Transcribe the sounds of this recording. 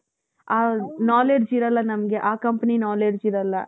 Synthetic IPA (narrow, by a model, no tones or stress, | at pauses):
aːnaːleːɖd͡ʒiɾɐlːɐnɐmɐɡe̞ʔaːkɐmpɐninaːleːɖd͡ʒiɾɐlːɐ